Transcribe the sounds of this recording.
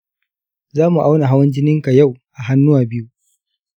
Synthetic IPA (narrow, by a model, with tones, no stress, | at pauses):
zaː˦mu˨ʔa˦wna˨ɦa˦wɐ˦nd͡ʒɪ˦nɪ˦ŋka˨ja˦˨wʔa˨ɦa˦nːʊ˦waː˨bɪ˦ju˦ʔ